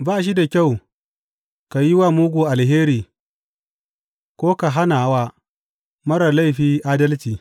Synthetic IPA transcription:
baː˦ʃ̬i˦da˨kʲa˦˨w | ka˨ji˦wa˦muː˦ɡʷuː˨ʔa˨lɦeː˦ɾiː˨ | kʷoː˦ka˨ɦa˦na˨˦waː˦ | mɐ˦ɾɐ˨la˦jɸiː˦ʔaː˦dɐ˦lt͡ʃiː˨

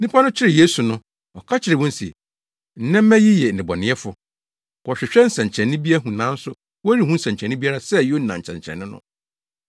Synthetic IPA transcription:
nĩ˦pʰa˦nʊ̃˦t͡ɕʰɪ˦ɾɪ˨je˦su˨nʊ̃˦ | ɔ˨kʰa˦t͡ɕʰɪ˨ɾɪ˨wɔ̃˦n̩˦si˨ | n̩˨˦nɛ̃˦m˦mæ̃˦ji˦jɛ˨n̩˨nɪ̃˨bɔ˨nɪ̃˦ɛ˦fʊ˦ | kɔ˨ɕᶣɪ˨ɕᶣɛ˦n̩˦sɛ̃˨ɲ˨t͡ɕʰɛ̃˨nːɪ̃˦bi˦a˦ɦũ˨nã˦n̩˦sʊ˦ | wɔ˦ɾi˦hũ˦n̩˦sɛ̃˨ɲt͡ɕʰɛ̃˨nːɪ̃˦bi˦a˦ɾa˨sɛ˦jo˦˨nã˨t͡ɕʰɛ̰̃˨ɲ˨t͡ɕʰɛ̰˨nːɪ̃˦nʊ̰̃˦

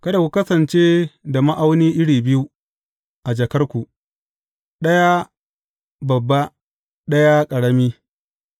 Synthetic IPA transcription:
kɐ˦da˨kʷu˨˦kɐ˦sɐ˨nt͡ʃeː˦da˨ma˦ʔa˦wniː˦ʔɪ˦ɽiː˨bɪ˦ju˦ | ʔa˨d͡ʒɐ˨kɐ˦rkʷu˨ | ɗɐ˦ja˦ | bɐ˨bːa˦ | ɗɐ˦ja˦kʼɐ˨ɽɐ˦miː˦

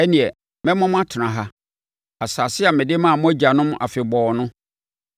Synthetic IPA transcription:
ɛ˦nĩ˨ɛ˨ | mɛ̃˦mɔ̃˦m̃˦a˦tʰɪ˨nã˨ɦa˦ | a˨saː˨sɪ˦a˨mɪ̃˨dɪ˦mã˦˨mʊ̃˦æ˦d͡ʑa˨nʊ̃˦m˦ʔa̰˨fɪ˨bɔː˨nʊ̃˦

